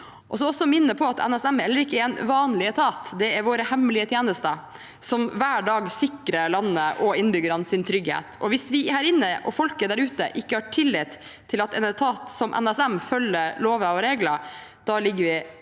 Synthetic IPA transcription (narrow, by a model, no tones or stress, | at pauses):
ʔɔsɔɔsːɔmɪnːəpʰɔɑt̪ʰɛ̰nɛsɛmhɛlːəɾɪkːəɛɾɛnʋɑːnlɪət̪ʰɑːt̪d̪ɛæɾʋoːɾəhɛmlɪət̪ʰjeːnəst̪ə | sɔmʋæːɖɑːɡsɪkɾəlɑnːəʔɔɪnbʏɡəɾɑnsɪnt̪ʰɾʏɡhḛːt̪ʰɔʋɪsʋɪhæːɾɪnːəʔɔfɔlkəd̪æɾʉːt̪ə̰ʔɪkːəhɑʈʰɪlːɪːt̪ʰː | ɪlɑt̪ɛnɛt̪ʰɑːt̪sɔmʔɛ̰nɛsɛmfœlːəɾloːʋəɔɾeːɡləɾd̪̥ɑlɪɡːəɾʋɪ